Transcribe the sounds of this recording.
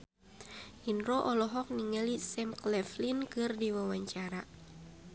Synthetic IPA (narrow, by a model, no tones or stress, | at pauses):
ʔinɾɔʔɔlɔɦɔk̚niŋalisɛmklɛflinkɨrdiwawaɲt͡ʃaɾa